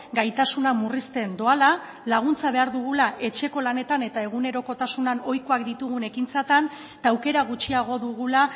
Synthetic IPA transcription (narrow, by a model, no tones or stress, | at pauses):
ɡajt̪asunamurist̪e̞nd̪o̞ala | laɣ̞unt͡saβe̞aɾðuɣ̞ulaʔe̞t͡ʃe̞ko̞lane̞t̪ane̞t̪ae̞ɣune̞ɾo̞ko̞t̪asunano̞jko̞akd̪it̪uɣune̞kint͡sat̪an | t̪aːwke̞ɾaɣut͡ʃiaɣ̞o̞ðuɣula